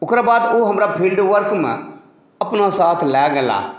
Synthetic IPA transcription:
ʊkɾabaːd̪oɦɐmɾapʰɪɳɖʋəɾkmə̰̃ | ɐpnasaːt̪ʰlɛːɡɛla̰ː

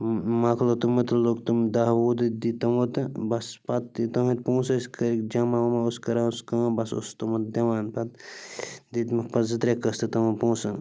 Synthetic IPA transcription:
maklot̪umɐt̪lokt̪umd̪aːwuːd̪d̪it̪ɐmot̪ɨbɐspɐt̪̚ːit̪ɐmit̪̚pũːsɐskɐɾikd͡ʒɐmaumɐoskɐɾaskãːbɐso̰st̪ɐmɐt̪̚d̪ʲɐʋaːnpɐt̪ | d̪it̪mɐpɐzɨt̪ɾʲekɐst̪ɨt̪ɐmɐpũːsɐ

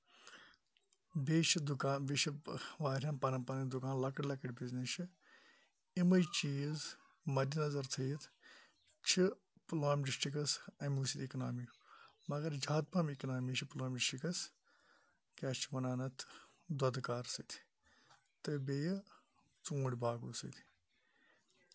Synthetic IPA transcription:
beːt͡ʃʰid̪ukaːnbiʃiʋaːɾʲɐnpɐnɐpɐnɐd̪ukaːnlɐkɐɽlɐkɐɽʲbiznit͡ʃʰi | imɐjt͡ʃiːz | mɐd̪inɐzɐɾt̪ʰɐjt̪ʰ | t͡ʃʰi | ploːmɖisʈikɐsɐ̃muːsit̪iknaːmikmɐɡɐɾd͡ʒaːt̪̚pʰɐmiknaːmit͡ʃʰiploːmɖisʈikɐs | kɛːt͡ʃʰʋɐnaːnɐt̪ʰ | d̪ɐd̪kaːɾsɐt̪ʰ | t̪ɨbej | t͡sũːɽʲbaːɡṵːsɐ̰t̪ʰ

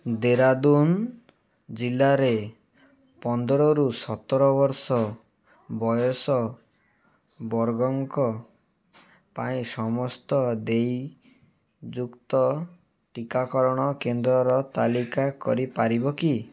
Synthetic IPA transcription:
d̪eɾad̪un | d͡ʒilːaɾe | pɔnd̪ɔɾɔɾusɔt̪ɔɾɔβɔɾsɔ | bɔjɔsɔ | bɔɾɡɔŋkɔ | paĩsɔmɔst̪ɔd̪ej | d͡ʒukt̪ɔ | ʈikakɔɾɔɽ̃ɔkend̪ɾɔɾɔt̪alikakɔ̰ɾipaɾibɔki

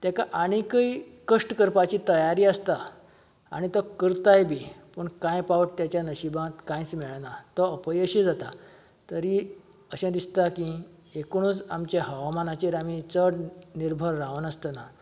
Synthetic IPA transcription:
t̪jɛkaʔaɽ̃ikəikəʂʈkəɾpat͡ɕiːt̪əjaɾiːəst̪a | a̰ɽ̃it̪ɔkəɾt̪ajbʱipəɳkãjpaʋəʈt̪jat͡ɕjanəɕibãt̪kãjt͡smɛɭnat̪ɔəpəjəɕĩd͡zat̪a | t̪əɾi | əɕɛ̃d̪ist̪akĩ | ekɽ̃ũːd͡zamt͡ɕeɦəʋamanat͡ɕiɾamĩt͡səɽniɾbʱəɾːaʋənəst̪əna

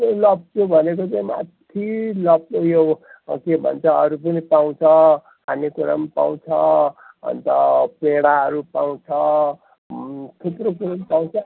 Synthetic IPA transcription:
lʌb̚t͡sʰobʱʌnekot͡saĩma̰t̪ʰilʌp̚jo | kebʱʌ̰nt͡sʰʌʌɾup̬ʌnipaw̃t͡sʰʌ | ɦamikuɾa̰mpa̰w̃t͡sʰʌ | ʌ̰nt̪ʌpeɽaɦʌɾupaw̃t͡sʰʌ | t̪ʰuprokuɾʌmpaw̃t͡sʰʌ

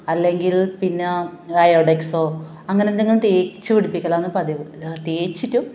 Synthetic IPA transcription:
ɐlːe̞ŋɡilpinːeɐjoɖeksoː | ɐŋːɐnend̪iŋːɐɭʈ̪eːt͡ɕːɨʋiɽipːikʲːɐlaːnːɨpɐd̪it̪eːt͡ɕːitːu

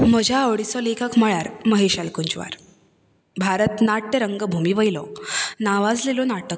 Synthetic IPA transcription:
m̤əd͡ʑʱaəʋɭisɔlekʰəkməɭaɾməɦeɕalkuɲt͡ɕʋa̰ɾ | bʱaɾət̪naʈːəɾəŋɡəbʱumiʋəjlɔnaʋad͡zlelɔnaʈək̚

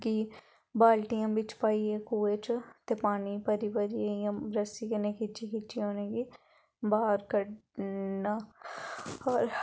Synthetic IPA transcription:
kiː | baːlʈijãːbɪt͡ʃpaːieːkuːet͡ʃt̪eːpaːnipəɾiʋəɾiejãːɾəsikeneːkit͡ʃiːkit͡ʃiɦoːneːɡiː | baːɾkəɽnaː | ɔːɾ

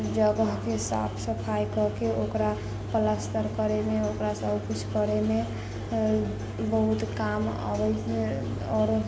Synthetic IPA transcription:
d͡ʒəɡəɦkesa̰pʰsəpʰajkəkeokɾa | pəlast̪əɾkəɾemeokɾasəbpʰut͡ʃʰkəɾeme | bəɦut̪kama̰bɛj | ɔɾ

